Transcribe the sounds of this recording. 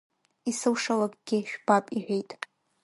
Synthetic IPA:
isɨwʂalakʼɡ̥ʲɪʃᶣb̥apʼiʕʷᶣejtʼ

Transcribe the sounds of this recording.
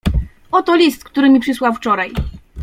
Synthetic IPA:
ɔt̪ɔlʲist̪kt̪uɾɘmʲipʂɘswawft͡ʂɔɾaj

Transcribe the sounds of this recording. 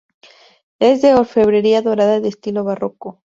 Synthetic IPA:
e̞zðeoɾfe̞βɾe̞ɾiaðo̞ɾaðaðest̪ilo̞βaro̞ko

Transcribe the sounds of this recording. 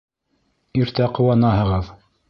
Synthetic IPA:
iɾt̪æqŏwɑnɑhɤ̆ʁɤð

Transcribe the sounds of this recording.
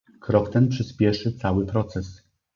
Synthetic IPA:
kɾɔkt̪ɛnpʂɘspʲjɛʂɘt̪sawɘpɾɔt̪sɛs

